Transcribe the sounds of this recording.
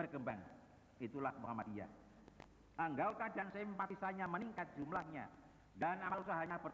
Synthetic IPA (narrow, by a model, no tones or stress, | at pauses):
ərkəmbaŋ | it̪ulahmaŋamad̪ia̰ | aŋɡawt̪adansɪmmpat̪isaɲaməniŋkat̪̚d͡ʒumlahɲa̰ | danamalusaɦaɲabər